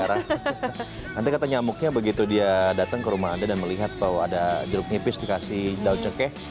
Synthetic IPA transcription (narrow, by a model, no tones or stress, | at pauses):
aɾa | nant̪ikat̪aɲamʊk̚ɲabəɡit̪udiadat̪əŋkəɾumaɦandadanməliɦat̪ːawa̰dad͡ʒəɾʊk̚ɲipɪsdikasidaut͡ʃəkɛ